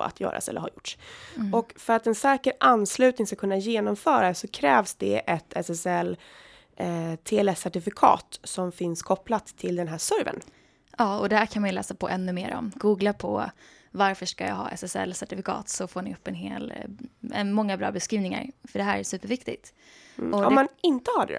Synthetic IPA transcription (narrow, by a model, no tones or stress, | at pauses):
a̰t̪ʰjœ̰ːɾa̰sɛ̰lːəɾha̰ɾjʊʈsɔkfœɾat̪ɛnsɛːkəɾʔanːslʉ̟ːt̪nɪŋskakʰɵnːajeːnɔmfœːɾad̪ɛsɔkʰɾɛːvsd̪ɛ̰ʔɛt̪ʰɛsɛsɛlː | t̪ʰeːɛlɛsæʈɪfɪkʰɑ̰ːt̪sɔmfɪnskʰɔplat̪ʰːɪld̪ɛnɦæːʂœɾvə̰n | ɑːɔd̪ɛhækʰanmanjɵlɛːsapʰɔʔɛnːɵmeːɾɔ̰mɡuːɡlapʰɔ̰ | vaɾfœʂkajɑ̰ɡɦɑ̰ːʔɛ̰sɛsɛ̰lːsæʈɪfɪkʰɑ̰ːt̪sɔfoːɳɪɵpːɛnɦḛːlɛ̰nmɔŋːabɾɑ̰ːbɛskɾiːvnɪŋa̰ɾfœɖɛɦæːɾæʂsʉ̟ːpəɾvɪkt̪ɪt̪ | ʔɔhamanɪnt̪əhad̪ɛ̰